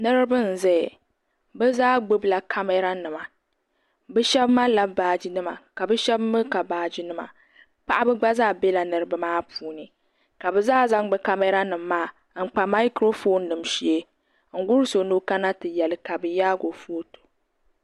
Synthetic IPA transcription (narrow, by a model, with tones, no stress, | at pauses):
nɨ˦ɾɨ˦bɨ˦n̩˨zɛ˦˨ | bɛ˦zaː˦ɡ͡bo˦bla˨kʰa˦me˦ɾa˦nɨ˨ma˨ | bɛ˦ʃɛ˦bma˦la˦baː˨d͡ʒi˨nɨ˦ma̰˨ka˨bɨ˦ʃɛ˦bmɨ˦ka˨baː˨d͡ʒi˦nɨ˦ma̰˨ | pa˦ʔa˦bɨ˦ɡ͡ba˦zaː˦˨be˦la˨nɨ˨ɾɨ˦bɨ˦maː˦puː˨nɨ˨ | ka˨bɛ˦zaː˦za˦ŋ˦ɡ͡bɨ˦ka˦mɛ˦ɾa˦nɨ˨m̩ː˦aː˦˨ | ŋ̩˨k͡pa˨ma˦ɪ˦kɾo˦fo˦nːɨ˨mʃi˦e˦ | ŋ̩˨ɡʊ˦ɾɨ˦so˨no˦ka˦na˦tɨ˨jɛ˨lɨ˨ka˨bɨ˨jaː˦ɡo˨fo˦to̥˨